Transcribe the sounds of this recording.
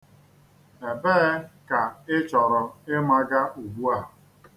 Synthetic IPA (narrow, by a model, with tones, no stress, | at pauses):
e˨beː˦ka˨ɪ˦t͡ʃɔ˨ɾɔ˨ɪ˦ma˦ɡa˦ʔu˨ɡ͡bu˦a˦˨